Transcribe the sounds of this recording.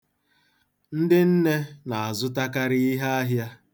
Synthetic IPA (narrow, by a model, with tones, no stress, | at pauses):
n̩˦dɪ˦n̩˦ne˦na˨a˨zʊ˦ta˦ka˦ɾɪ˦i˦ɦa˦a˦ɦja˦